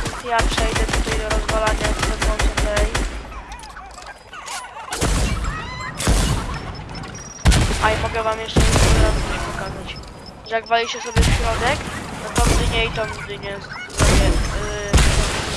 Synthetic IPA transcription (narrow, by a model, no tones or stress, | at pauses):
japʂɛjd̪ɛt̪ut̪ajd̪ɔɾɔzvalaɲat̪ɾɔd̪ɔ̃nt̪ɔt̪ɛj | aimɔɡɛvamjɛʂt͡ʂɛjɛɔd̪ɾazkiɕpɔkazat͡ɕ | ʐaɡvalʲiɕɛsɔbʲjɛfɕɾɔd̪ɛknɔt̪ɔmd̪ɲɛit̪ɔmd̪ɘɲɛsut̪aɕɛ